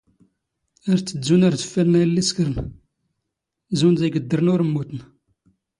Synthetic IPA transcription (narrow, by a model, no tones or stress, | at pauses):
æɾt͡sːəzːunæɾθə̥fːæɾnæjlːiskəɾən | zunzæɡəd̪ːəɾnʊɾəmːut̪ən